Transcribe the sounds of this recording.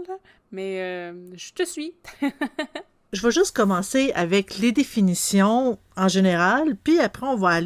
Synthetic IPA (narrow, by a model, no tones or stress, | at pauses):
l | mɛøʒət̪əsɥi | ʒəvaʒʏst̪̚kɔmɑ̃seavɛkled̪efinisjɔ̃ | ɑ̃ʒeneʁalpɥiapʁɛɔ̃vaːl